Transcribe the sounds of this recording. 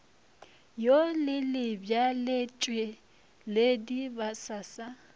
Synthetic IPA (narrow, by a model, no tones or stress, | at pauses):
jolɪlɪbjalet͡ʃʼwɪ | ledibasasa